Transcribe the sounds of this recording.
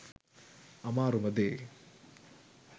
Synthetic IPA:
ɐmaːɾumɐd̪eː

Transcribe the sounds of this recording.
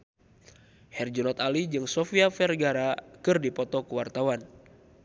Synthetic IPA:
hɛrd͡ʒɔnɔt̪alid͡ʒɨŋsɔfiafɛrɡaɾakɨrdipɔt̪ɔkəwart̪awan

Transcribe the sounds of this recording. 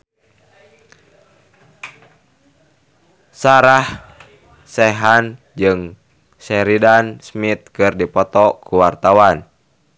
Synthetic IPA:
saɾah | sɛɦan | d͡ʒɨŋ | sɛɾidansmit̪̚kɨrdipɔt̪ɔkuwart̪awan

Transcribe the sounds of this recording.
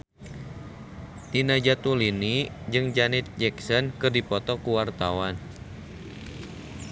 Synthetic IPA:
t̪inad͡ʒat̪ulini | d͡ʒɨŋd͡ʒanɪt̪̚d͡ʒɛksɔnkɨrdipɔt̪ɔkuwart̪awan

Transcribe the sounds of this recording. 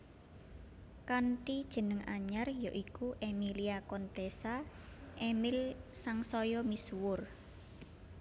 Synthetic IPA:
kanʈid̥ʒ̥ə̤nəŋaɲarjoʔikuʔemiliakɔnt̪esa | ʔemɪlsaŋsɔjɔmiswʊr

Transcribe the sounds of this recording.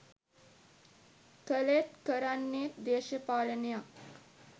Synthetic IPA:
kəlet̪kəɾanːeːt̪d̪eːɕəpalənja

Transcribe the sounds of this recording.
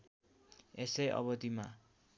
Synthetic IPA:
esejʔʌ̰bʌt̪ima̰

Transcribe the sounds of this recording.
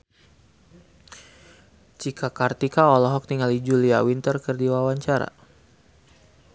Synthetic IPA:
t͡ʃikʰakart̪ikaɔlɔɦɔk̚t̪iŋalid͡ʒuliawint̪ərkərdiwawaɲt͡ʃaɾa̰

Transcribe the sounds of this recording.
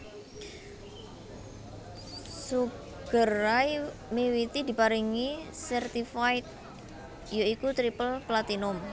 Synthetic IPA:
su | ɡ̥əraj | mewit̪id̪̥i̤paɾiŋisɛrt̪ifajt̪̚ | joikut̪ɾipəlplat̪inʊm

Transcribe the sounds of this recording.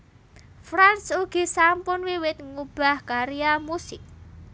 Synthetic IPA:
fɾansuɡ̥i̤sampʊnwiwɪt̪̚ŋub̥a̤hkaɾijamusɪk̚

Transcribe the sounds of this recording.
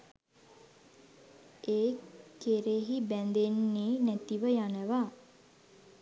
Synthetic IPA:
eːkeɾeɦibænd̪enːiːnæt̪iʋəjanəʋa

